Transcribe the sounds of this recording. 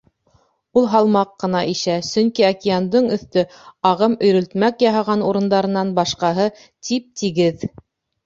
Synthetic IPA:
ulˠɦɑlˠmɑqːɤ̆nɑʔiʃæsɵ̆ŋkiakʲɪjand̪ɤɴɵ̆θt̪ɵ | ɑʁɤmɵ̆jɾɵ̆lt̪mækjɑɦɑʁɑnuɾɤ̆nd̪ɑɾɤ̆nːɑnbɑʃqɑɦɤ | t̪ʰip̚t̪iɡɘð

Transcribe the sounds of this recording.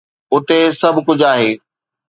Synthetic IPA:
ʊt̪esɐbʱkʊd͡ʑʱaːɦeː

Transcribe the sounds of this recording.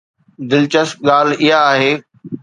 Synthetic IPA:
d̪ɪlt͡ɕəsk̚ɠaːlɪɦaːɦeː

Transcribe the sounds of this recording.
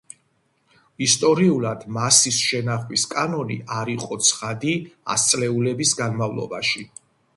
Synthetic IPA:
ist̪ʼɔɾiulˠad̪̥masisʃɛnaχwiskʼanɔnḭʔaɾiqʼɔt̪sʰχad̪ia̰st̪sʼlɛulɛbisɡanmavlˠɔ̰baʃi

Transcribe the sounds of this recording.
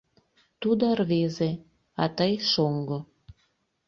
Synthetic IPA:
t̪ud̪orβeze | ɑt̪əjʃoŋɡo

